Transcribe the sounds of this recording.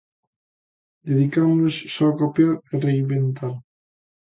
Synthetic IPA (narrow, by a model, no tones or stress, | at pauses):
d̪eðikamussokopjaɾereimbent̪aɾ